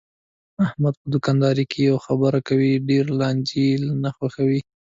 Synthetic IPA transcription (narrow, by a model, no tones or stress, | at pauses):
ahmad̪̚pəd̪ʊkɑnd̪ɑɾikʰejawxabəɾakawiɖeɾlɑnd͡ʒilnaxwaxawi